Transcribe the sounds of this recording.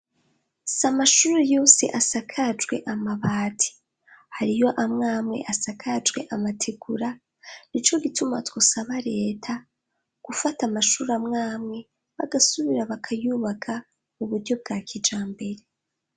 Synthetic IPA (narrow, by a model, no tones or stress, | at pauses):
samaʃuːɾejo̞ːsḛʔasakʰad͡ʒɡwe̞̰ʔamaβaːtʰi̥ | haɾijo̞ʔamŋaːmŋe̞̰ʔasakʰad͡ʒɡwe̞̰ʔamatʰeɡ̥uɾa | nit͡ʃo̞ɡitumatwo̞saβaɾe̞ːtʰa | ɡ̥ufatamaʃuːɾamŋaːmŋe̞ | βa̰ɡasuβiɾaβakʰajuːβakʰa | muβuɾɟo̞b̚ɡaːkʰid͡ʒaːmbe̞ɾe